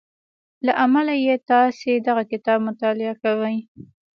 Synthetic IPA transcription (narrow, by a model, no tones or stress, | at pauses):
laʔamalajet̪ɑsed̪aɣakɪt̪ɑbmʊt̪ɑlɪakawəj